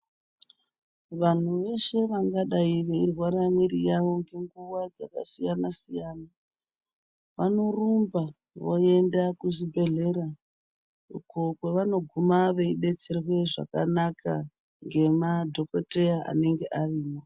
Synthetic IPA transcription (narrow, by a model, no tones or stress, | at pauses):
ʋan̤uʋe̞ʃe̞ʋaŋɡaɗaiʋe̞irwaɾamiɾijaʋo̞ŋɡe̞ŋɡuwad͡za̰ka̰sijanasijaːna | ʋano̞rumba | ʋo̰e̞ndakuʐibʱe̞ɮe̞ɾa | ukokwe̞ʋano̞ɡʱumaʋeiɗe̞t͡se̞rwe̞ʐa̰ka̰nakʰa | ŋɡe̞madʱo̞kote̞jaa̰ne̞ŋɡe̞ʔariːmo